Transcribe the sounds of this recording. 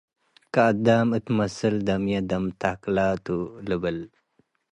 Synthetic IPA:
kad̪aːmɨt̪mɐsɨld̪ɐmjɐd̪ɐmt̪aklaːt̪uləbəl

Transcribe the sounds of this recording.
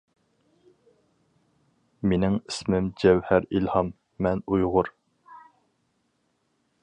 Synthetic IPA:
menɪŋismɪmd͡ʒɛwhæɾilhɑmː | ɛnujʁʊɾ

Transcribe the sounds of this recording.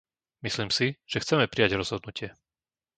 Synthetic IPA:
misliːmsiʒ̥ɛxt͡sɛmɛpɾijaɟɾɔz̥ɦɔd̪nucɪɛ

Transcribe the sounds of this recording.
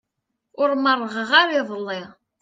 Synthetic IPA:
ʊɾmərˤːəʁəʁaɾɪðˤəlːɪ

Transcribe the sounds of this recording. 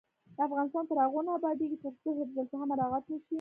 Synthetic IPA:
d̪̥əafɣɑnɪst̪ɑnt̪əɾaɣonaːbɑd̪eɡit̪okd̪əɦebzəlt̪aɦamaɾɑɣat̪nəʃi

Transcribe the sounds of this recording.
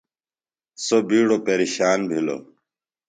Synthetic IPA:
sobiːɽopeɾiɕaːnbʱilo̰

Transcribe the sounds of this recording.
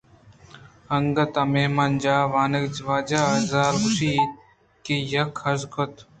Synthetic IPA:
ɐŋɡɐt̪ameːmand͡ʒaːʋaːnɐkd͡ʒʋaːd͡ʒaːɐzaːlkʊʃiː | kejɐkʰɐzkʰot̪

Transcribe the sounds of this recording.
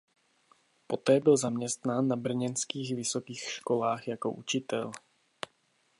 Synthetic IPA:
po̞t̪ɛːbɪlzamɲɛst̪naːnːabr̩ɲɛnskiːɣvɪso̞kiːxʃko̞laːxjako̞̰ʔut͡ʃɪt̪ɛl

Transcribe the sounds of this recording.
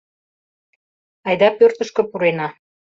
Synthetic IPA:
ɑjd̪ɑpørt̪ə̆ʃkə̆puɾenɑ

